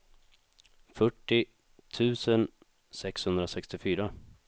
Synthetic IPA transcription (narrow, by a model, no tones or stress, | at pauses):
fœʈːɪ | t̪ʰʉ̟ːsən | sɛkshɵnd̪ɾasɛkst̪ɪfyːɾa